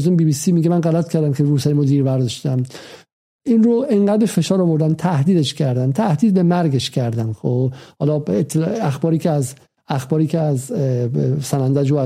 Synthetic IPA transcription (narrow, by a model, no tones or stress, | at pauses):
zumbiːbiːsiːmiɡemænɢælæt̪̚kʰæɾd̪æmkʲʰeɾuːsæɾimod̪iːɾbæɾd̪ɒʃt̪æm | inɾoʔeŋɢæd̪̚befe̞ʃɒːɾɒvoɾd̪ænt̪ʰæhd̪iːd̪eʃcʰæɾd̪ænt̪ʰæhd̪iːd̪̚be̞mæɾɡeʃcʰæɾd̪ænxohɒːlɒːet̪ʰːelæxbɒːɾiːcʰeæz | æxbɒːɾiːcʰʲeæz | sænænd̪æd͡ʒo